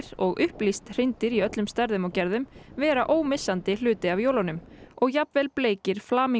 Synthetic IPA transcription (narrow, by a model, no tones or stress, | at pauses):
ɾɔɣʔʏhplist̪r̥ɪnt̪ɪɾiœt̪lʏmst̪ɛɾðʏmɔwcɛɾðʏmvɛːɾaʔoːwmɪsːant̪ɪl̥ʏːt̪ɪavjoːwlanʏmɔɣjapnvɛlpleːjcɪɾ̥flaːmi